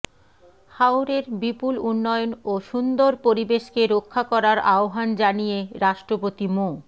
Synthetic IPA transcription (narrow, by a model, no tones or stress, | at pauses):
hawɾeɾbipulunːɔjonoʃund̪oɾpoɾibeʃkeɾokʰːakɔɾaɾaoɦand͡ʑanijeɾaʃʈɾopot̪imo